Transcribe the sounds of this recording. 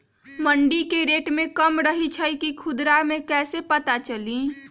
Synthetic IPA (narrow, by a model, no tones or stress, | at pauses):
məɳɖikeɾeːʈmẽkəmɾəɦit͡ʃʰəikikʰʊd̪ɾamẽkɛːsepɐt̪at͡ʃəlĩ